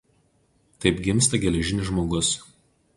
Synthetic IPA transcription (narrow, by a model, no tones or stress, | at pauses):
t̪ɐɪpɡʲɪmˑst̪ɐɡʲɛlʲɛʒʲɪnʲɪʒmoːɡʊs